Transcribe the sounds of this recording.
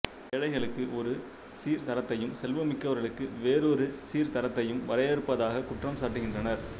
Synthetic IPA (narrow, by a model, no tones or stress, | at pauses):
ɛɻɐɪɣɐɭɯkːɯʔɔɾɯ | siːɾt̪ɐɾɐt̪ːɐjɯmsɛlʋɐmɪkːɐʋɐɾɣɐɭɯkːɯʋeːɾɔɾɯsiːɾt̪ɐɾɐt̪ːɐjɯmʋɐɾɐjɐɾɯpːɐðaːɣɐkʊʈrɐmsaːʈːɯɣɪndrɐnɐɾ